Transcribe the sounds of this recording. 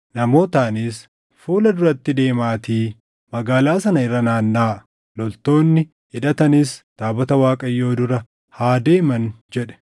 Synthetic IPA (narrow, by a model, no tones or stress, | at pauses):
nɐmo̞ːt̪aːniːs | fuːlɐd̪ʊɾɐt̪ːɪd̪e̞ːmaːt̪iː | mɐɡaːlaːsɐnɐɪrːɐnaːnːaː | lɔlt̪o̞ːnːɪ | ɪᶑɐt̪ɐnɪst̪aːbɐt̪ɐwaːkʼɐjːo̞ːd̪ʊɾɐ | haːd̪e̞ːmɐnd͡ʒɛᶑɛ̥